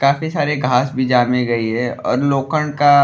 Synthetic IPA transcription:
kaːfisaːɾeɡʱaːsbʱid͡ʒaːmẽɡɐiɦɛɔ̰ːɾloːkəɳ̃ka

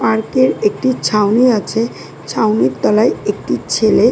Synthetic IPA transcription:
paɾkeɾek̚ʈit͡ɕʰawniat͡ɕʰe | t͡ɕʰawniɾt̪ɔlajek̚ʈit͡ɕʰele

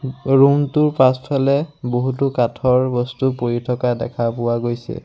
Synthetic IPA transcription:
ɹumtuɹpaspʰalɛboɦutʊkatʰɔɹbɔstupoɹitʰɔkadɛ̰kʰapʊwaɡojsɛ̰

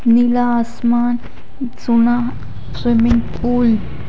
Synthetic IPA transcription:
nilaːsmaːn | suna | swimɪŋɡpul

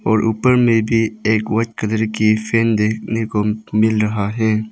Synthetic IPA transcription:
ɔːɾʔuːpəɾmẽbʱieːkwət͡ʃkəd̪əɾkifʰeːnd̪eːkʰnekomɪlɾəɦaɦɛː

